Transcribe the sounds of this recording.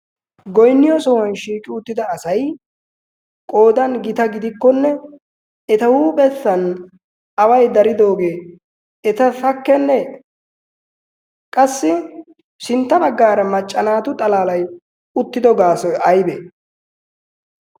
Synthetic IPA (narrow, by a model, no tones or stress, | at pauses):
ɡɔjnːɪjɔsɔwɐnʃiːkʼɪʊt̪ːɪd̪ɐːsɐj | kʼo̞ːd̪ɐnɡɪt̪ɐɡɪd̪ɪkːɔnːɛ | ɛt̪ɐhuːpʼɛsːɐn | ɐwɐjd̪ɐɾɪd̪o̞ːɡe̞ː | ɛt̪ɐt̪ɐkːɛnːɛ | kʼɐsːɪ | sɪnt̪ːɐbɐɡːaːɾɐmɐt͡ʃʼːɐnaːt̪ʊt̪ʼɐlaːlɐj | ʊt̪ːɪd̪ɔɡaːsɔjɐjbɛ